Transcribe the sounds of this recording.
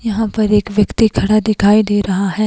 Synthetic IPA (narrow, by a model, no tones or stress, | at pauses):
jɐɦãpɐɾeːkʋjɐkt̪ikʰɐɽad̪ɪkʰaːid̪eːɾɐɦaɦɛː